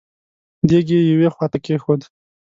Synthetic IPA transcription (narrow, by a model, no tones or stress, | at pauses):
d̪eɡejawexwɑt̪akexod̪